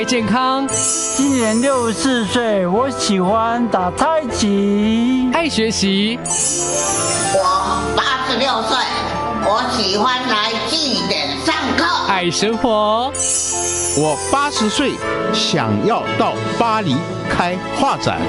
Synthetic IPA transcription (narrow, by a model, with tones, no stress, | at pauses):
t͡ɕjɛ˥˩nkʰɑ˦˥ŋ | t͡ɕi˦˥nnjɛ˧˦nljo˥˧ʊsɹ̩˥˧swe˥˩ɪwɔ˨˦ɕi˨˩xwa˦nt̪a˨˩t̪ʰa˥˧ɪt͡ɕʰi˨˦a˥˩ɪɕɥɛ˨˧˥ɕi˨˦ | wɔ˨˩ | pa˥ʂɻ̩˧˦ljo˥˧ʊswe˥˨ɪ | wɔ˨˧˦ɕi˨˩xwa˦nla˨˦ɪt͡ɕi˥˧˨t̪ɛ˨˩nt͡sa˥˧ŋkʰɤ˥˩a˨˩ɪʂə˧˥ŋxwɔ˨˧˦ | wɔ˨˩pa˥ʂɻ̩˨˧˦swe˥˨ɪ | ɕjɑ̰˨˩ŋjɑ˥˧ʊt̪ɑ˥˨˩ʊpa˦li˨˧˥ | kʰa˦ɪ | xwa˥˨t͡sa̰˨˩˦n